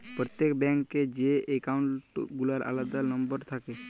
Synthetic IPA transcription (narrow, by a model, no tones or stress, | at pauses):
pɾɔt̪ːekbɛŋkːed͡ʑeekauɳʈɡulaɾa̰lad̪anɔmbɔɾt̪ʰake